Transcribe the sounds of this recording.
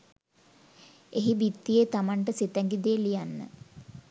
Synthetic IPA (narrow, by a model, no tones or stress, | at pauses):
eɦibit̪ːijet̪amaɳʈəset̪æŋɡid̪eːlijanːə̰